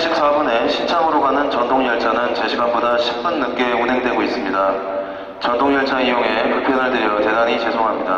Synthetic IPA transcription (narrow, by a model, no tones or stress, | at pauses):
ɕʰik̚s͈abune̞ɕʰint͡ɕʰaŋɯɾoɡanɯnt͡ɕʌndoŋjʌɭt͡ɕ͈anɯnt͡ɕe̞ɕʰiɡanbodaɕʰi̥k̚p͈unːɯk͈e̞unɦe̞ŋdwe̞ɡois͈ɯmɲida | t͡ɕʌndoŋjʌɭt͡ɕ͈aŋijoŋe̞pupʰjoɾɯɭdɯɾjʌte̞daɲit͡ɕe̞sʰoŋɦamɲida